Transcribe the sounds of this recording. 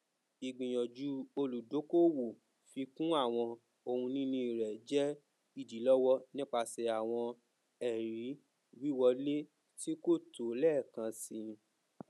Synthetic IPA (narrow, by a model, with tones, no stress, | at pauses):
i˨ɡ͡bĩ˨j̃ɔ̃˨d͡ʒu˨˦o˧lu˨do˨˦ko˦˨wo˨ | fi˧kũ˦a˦˨w̃ɔ̃˧ | o˧hũ˧nĩ˦nũ˧i˨ɾɛ˨d͡ʒɛ˦ | i˦˨di˨˦lɔ˦wɔ˦nĩ˦k͡pa˧sɛ˨a˨w̃ɔ̃˧ | ɛ˨ɾi˨˦ | wi˦wɔ˧le˦ | ti˦ko˦˨to˨lɛ˦˨kã˧si˧